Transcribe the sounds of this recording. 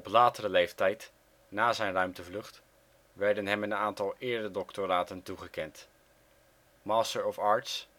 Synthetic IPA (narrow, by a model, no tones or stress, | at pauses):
ɔplaːtəɾəlejftɛjt | naːzɛjnrœɥmtəvlɵχt | ʋɛɹdənɦɛmənaːntɑlˠɪːɹddəədɔktoɾaːtəntuχəkɛnt | mɑːstəɹɔfɑːɹts